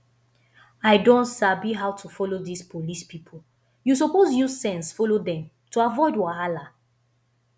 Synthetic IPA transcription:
aɪdõntsabiɦawtʰufɔlodispʰolispipʰo | jus̬opozjuzsɛ̃nsfɔlodɛ̃m | tuavɔɪdwaala

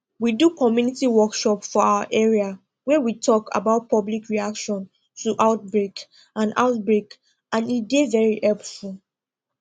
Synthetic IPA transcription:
widukʰɔmjunitiwɔkʃɔpfɔawəʔɛɹia | wɛwitʰɔka̰baʊt̚pʰɔblikɹiakʃɔ̃n | tuʔaʊt̚bɹek | ãna̰ʊt̚bɹek | ãnidevɛɹihɛlpful

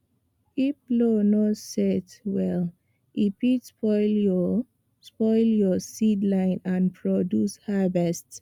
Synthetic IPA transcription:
iflonɔtsɛtwɛl | ʔipitspɔɪljɔ | spɔɪljɔsidlãɪ̃nãnpʰɹɔdjushavɛst

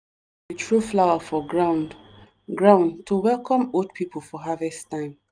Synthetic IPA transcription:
etɹuflawafɔɡɹãʊn | ɡɹãʊ̃ndtʰuwɛlkʰɔ̃modpʰipolfɔɦavɛstãɪ̃n

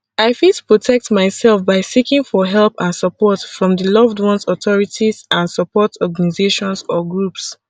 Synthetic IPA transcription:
aɪfitu̥pʰɹɔtʰɛk̚tmaɪsɛlfbaɪsikĩŋfɔɦɛlpãnsəpɔtfɹɔ̃mdəlʌvdwɔ̃nsɔtɔɹitizʔãnsəpɔtʰɔɡanizeʃɔ̃nsɔɡɹups

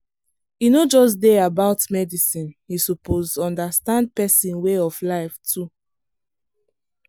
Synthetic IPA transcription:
inod͡ʒɔs̬deabaʊtmɛdisĩnhisupozɔ̃ndastãnd̚pɛsĩnweɔflaɪftʰu

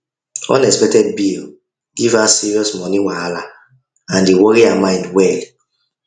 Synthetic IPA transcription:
ɔ̰̃nɛkspɛk̚tɛd̚bil | ɡivasiɹiɔsmɔnĩwaala | ãndewɔɹiamãɪ̃ndwɛl

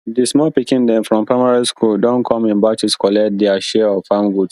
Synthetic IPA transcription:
dismɔpikĩndɛ̃nfɹɔ̃mpʰɹaɪmaɹiskʰuldɔ̃nkʰɔ̃mĩnbat͡ʃiskʰɔlɛt̚dɛaʃɛɔfãmɡud

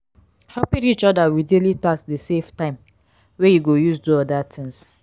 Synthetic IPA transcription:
hɛpĩit͡ʃɔdawidelitasdeseftãɪ̃m | wejuɡojusduɔdatʰĩŋs

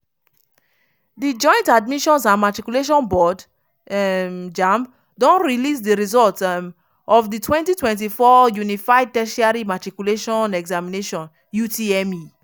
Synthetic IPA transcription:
did͡ʒɔ̃j̃ntad̚miʃɔ̃nsãnmatɹikjuleʃ̬ɔ̃nbɔd | md͡ʒãmb | dɔ̃nɹilis̬diɹizɔlt | ɔfditwɛ̃ntitwɛ̃nt̬ifɔjunifaɪd̚tɛʃiaɹimatɹikuleʃɔ̃nɛɡzamineʃɔ̃n | jutʰiɛmi

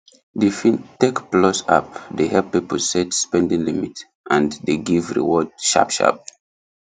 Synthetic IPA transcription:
difĩntekplɔsa̰pdehɛppːipəsɛtspɛ̃ndĩŋlimit | ʔãndeɡivɹḭwɔd̚ʃa̰pʃa̰p̚

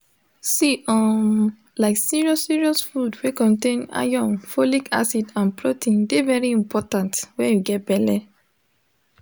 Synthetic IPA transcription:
siɔ̃ | laɪksiɹiɔsiɹiɔsfudwekɔ̃ntẽna̰jɔ̃nfolika̰sidãnpɹotĩndevɛɹiĩmpʰɔtãntwɛ̃njuɡɛt̚bɛlɛ

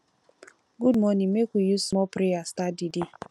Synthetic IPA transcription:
ɡudmɔnimekʷijusmɔpɾeastadidi

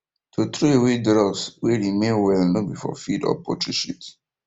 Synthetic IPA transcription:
tʰot̪ɹoewedɹɔsweɹimẽnwɛlnobifɔ̰fidɔ̰pɔtɹiʃut

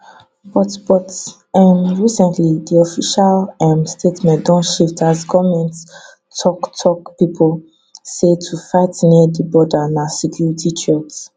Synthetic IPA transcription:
bɔtbɔts | ɛ̃nɹisɛ̃ntlidiɔfiʃalɛ̃mstʰetmɛ̃ndɔ̃nʃiftʰazkʰɔmɛ̃nt | tʰɔktʰɔkpipʰɔl | setʰufaɪtniədəbɔdanasɛkʰjuɹitʰit͡ʃɛts

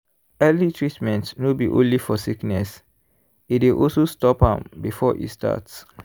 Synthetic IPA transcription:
ɛlitʰɹitmɛ̃ntnobiʔõ̰nlifɔsiknɛs | itweʔɔsostɔpã̰mbifɔʔḭsta̰ts

